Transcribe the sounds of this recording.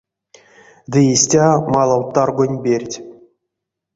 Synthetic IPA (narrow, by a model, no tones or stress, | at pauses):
d̪ʲɨjisʲtʲɑmɑlˠɑwt̪ːɑrɡunʲbʲerʲtʲ